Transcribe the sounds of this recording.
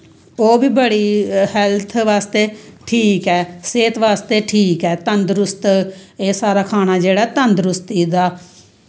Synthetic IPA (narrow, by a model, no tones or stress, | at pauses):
oːbiːbəɽiːhɛlt̪ʰʋaːst̪eːʈʰiːkɛːseːt̪ʋaːst̪eːʈʰiːkɛːt̪ənd̪ɾʊst̪eːsaːɾaːkʰaːnaːd͡ʒeːɽaːɛːt̪ənd̪ɾʊst̪iːd̪aː